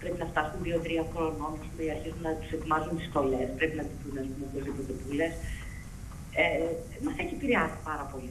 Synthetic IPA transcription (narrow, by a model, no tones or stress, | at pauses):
pɾepinɐft̪ɐsunðio̞ðɾiɐkɾomɐopost̪unɐiɐɾçizunnɐt̪u̥se̞t̪imɐzunt̪ist̪o̞le̞spɾe̞pinɐt̪it̪unɐsp̪unmeozðipot̪e̞pule̞s | e | mɐθeçiepiɾeɐsi̥pɐɾɐpo̞li